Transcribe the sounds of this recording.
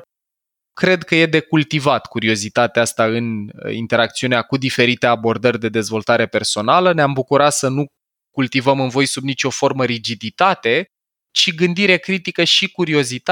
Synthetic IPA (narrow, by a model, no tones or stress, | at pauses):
kɾe̞d̪kəje̞d̪e̞kult̪ivat̪kuɾio̞zit̪at̪east̪aɨnḭnt̪e̞ɾak̚t̪siuneakud̪ife̞ɾit̪e̞abo̞rd̪ərʲd̪e̞d̪e̞zvo̞lt̪aɾe̞pe̞rso̞naləneambukuɾat̪sənu | kult̪ivəmɨnvo̞jsubnit͡ʃʲo̞fo̞rməɾid͡ʒid̪it̪at̪e̞ | t͡ʃiɡɨnd̪iɾe̞kɾit̪ikəʃikuɾio̞zit̪a